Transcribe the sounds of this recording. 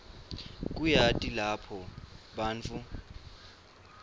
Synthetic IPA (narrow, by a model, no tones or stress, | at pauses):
k̬ʼujatʼilapʰɔɓaːnt͡fʰu